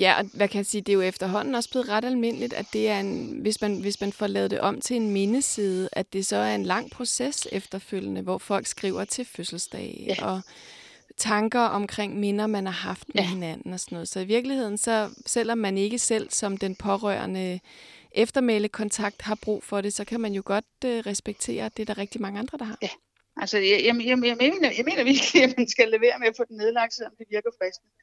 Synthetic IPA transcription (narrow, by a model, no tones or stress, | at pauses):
jæʔɒ̽mækʰæsiːd̥e̝jo̝efd̥ɐɦɒ̽n̰n̩ɒ̽sb̥le̝ːð̩ˠʁɑ̈ɾ̥ælme̝n̰əlid̥æ̰d̥e̝æɐenʋe̝smænʋe̝smænfɒlɛ̰ːð̞̩ˠd̥e̝ʔɒ̽m̰t͡sʰe̝enme̝nəsiːð̞ˠəʔæd̥e̝sɒ̽æɐe̝nlɑ̈ŋ̰pʰʁo̝sesefd̥ɐføl̰jənəʋɒfɒ̽l̰ɡ̥sɡ̥ʁḭʊɐt͡sʰe̝føsl̩sd̥ɛ̰ːɪʔɒ̽ | t͡sʰɑ̈ŋɡ̥ɐʔɒ̽mkʰʁeŋ̰me̝nɐmænhɑ̈ɦɑ̈fd̥meɦe̝næn̰n̩ɒ̽sɒnɔ̽ð̞̩ˠsɒ̽iʋiɐɡ̥lihe̝ð̞̰ˠn̩sɒ̽sel̰ɒ̽mːæne̝ɡ̥əsel̰sɒ̽md̥enpʰɒ̽ʁœ̰ɐ̰nəʔefd̥ɐmeləkʰɒ̽nt͡sʰɑ̈ɡ̥̚d̥hɑ̈b̥ʁṵːfɒ̽ɾ̥e̝sɒ̽kʰæmænjo̝ɡ̥ɒ̽d̥øʁɛsb̥eɡ̥̚t͡sʰe̝̰ːɐd̥e̝æɐɾ̥ɑ̈ʁɛɡ̥̚d̥imɑ̈ŋəɑ̈nd̥ʁɐd̥ɑ̈hɦɑ̈ | ʔælsəjjjeːnɐjaɪme̝̰ːnɐʋimænsɡ̥æle̝ʋe̝̰ːɐmeæfɔ̽ːd̥ene̝ðˠlɑ̈ɡ̥̚selɒmd̥eʋiɐɡ̥ɐfʁɛsd̥̚ə